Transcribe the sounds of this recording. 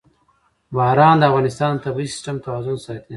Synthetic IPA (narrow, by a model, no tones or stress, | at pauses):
bɑːɾɑːnd̪əafɣɑnɪst̪ɑːnd̪ət̪abisɪ̥sʈamt̪ʰawɑːzʊnsɑt̪i